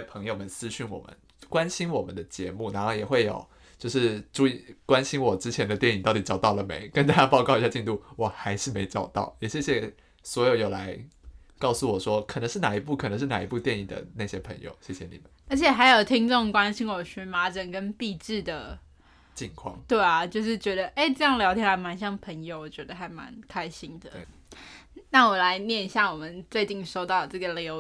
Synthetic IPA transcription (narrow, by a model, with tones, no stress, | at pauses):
ɛ˥pʰɤ˧˥ŋjo˧ʊmə˨nsɹ̩˥ɕy˥˩nwɔ̰˨˩mə̰˨˦n | kwa˦nɕi˥nwɔ˨˩mə˦nd̪ə˦t͡ɕjɛ˧˥mu˥˩na˧˥˦xo˥˩ʊjɛ˨˩xwe˥˩ɪjo̰˨˩ʊ | t͡ɕjo˥˧ʊʂɻ̩˥˩ʈ͡ʂu˥˧i˨˩kwa˦nɕi˥nwɔ˨˩ʈ͡ʂɻ̩˥t͡ɕʰjɛ˧˥nd̪ə˧t̪jɛ˥˩ni˨˩t̪ɑ˥˩t̪i˨˩ʈ͡ʂɑ˨˩ʊt̪ɑ˥˩ʊlə˩mḛ˧˥ɪkə˥˦nt̪a˥t͡ɕja˥pɑ˥˧ʊkɑ˥˩ʊi˧˥ɕja˥˧t͡ɕi˥˧nt̪u˥˩wɔ˨˩xa˧˥ɪʂɻ̩˥˩me˧˥ɪʈ͡ʂɑ˨˩ʊt̪ɑ̰˥˩ʊjɛ˨˩ɕjɛ˥˩ɕjɛ˨˩ | swɔ˧˥jo˨ʊjo˨˩ʊla˧˥˦ɪ | kɑ˥˩ʊsu˥˩wɔ˨˩ʂwɔ˥kʰə˨˩nə˧˦ʂɻ̩˥˩na˨˩i˧˥p̬u˥˩kʰə˨˩nə˧˦ŋʂɻ̩˥˩na˨˩ḭ˧˥pu˥˧t̪jɛ˥˧ni˨˩d̪ə̰˩na˥˧˩ɕjɛ˥pʰə̰˧˥ŋjo̰˨˩ʊɕjɛ˥˩ɕjɛ˨nḭ˨˩mə˦ə˞˧˥t͡ɕʰjɛ˨˩xa˧˥ɪjo˨˩ʊt̪ʰi˥ŋʈ͡ʂo˥˩˨ŋkwa˦nɕi˥nwɔ˨˩ɕy˧˥ma˧˥ʈ͡ʂə˨˩nkə˦˥npi˥˧ʈ͡ʂɻ̩˥˩d̪ə˩ | t͡ɕi˨˩ŋkʰwɑ̰˥˩ŋt̪we˥˩ɪɐ˩t͡ɕjo˥˧ʊʂ̬ɻ̩˥˩t͡ɕɥɛ˧˥d̪ə˧ʔe˥˩ɪʈ͡ʂɤ˥˧jɑ˥˩ŋljɑ˧˥ʊt̪ʰjɛ˥la˧˥ɪma˧˥nɕjɑ˥˩ŋpʰə˧˥ŋjo˧ʊwɔ˨˩t͡ɕɥɛ˧˥d̪ə˧xa˧˥ɪma̰˧˦nkʰa˥ɪɕi˥nd̪ə̰˨˥˩ | na˥˩wɔ˨˩la˧˦ɪnjɛ˥˧n˧˩ɕja˥˩wɔ˨˩mə˦nt͡swe˥˧ɪt͡ɕi˥˩nʂo˥ʊt̪ɑ˥˩ʊd̪ə˩ʈ͡ʂɤ˥˩ɡə˩ljo˧˥ʊ